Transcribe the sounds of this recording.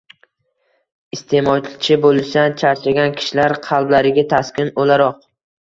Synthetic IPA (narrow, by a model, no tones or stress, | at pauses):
ɪst̪ʰe̞mɒt͡ʃɪt͡ʃʰɪbolɪʃt̪ant͡ʃʰaɾt͡ʃaɡʲankʲʰɪ̥ʃlaɾqʰɑlˠblaɾɪɡʲat̪ʰaskʲɪnolaɾɒq̚